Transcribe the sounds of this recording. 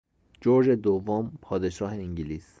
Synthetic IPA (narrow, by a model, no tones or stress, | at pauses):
d͡ʒoɾd͡ʒed̪ovːompʰɒːd̪eʃɒːɦeiŋɟiliːs